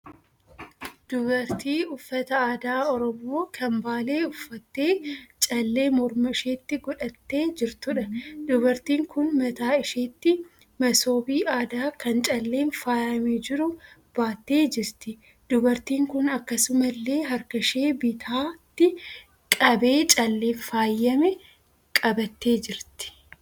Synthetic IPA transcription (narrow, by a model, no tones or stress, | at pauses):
d̪̥ʊbɐɾt̪iːʊfːɐt̪ɐaːd̪aːɔɾɔmoːkʰɐmbaːle̞ːʊfːɐt̪ːe̞ːt͡ʃʼɐlːe̞ːmɔɾmɐɪʃeːt̪ːɪɡɔᶑɐt̪ːe̞ːd͡ʒɪɾt̪ʊᶑɐd̪ʊbɐɾt̪iːŋkʊnmɐt̪aːɪʃeːt̪ːɪ | mɐso̞ːbiːaːd̪aːkɐnt͡ʃʼɐlːe̞ːnfaːjɐmeːd͡ʒɪɾʊb̥aːt̪ːe̞ːd͡ʒɪɾt̪ɪ | d̪ʊbɐɾt̪iːŋkʊnɐkːɐsʊmɐlːe̞ːɦɐɾkɐʃe̞ːbɪt̪ʰaːt̪ːɪ | kʼɐbe̞ːt͡ʃʼɐlːe̞ːnfaːjːɐmɛ | kʼɐbɐt̪ːe̞ːd͡ʒɪɾt̪ɪ̥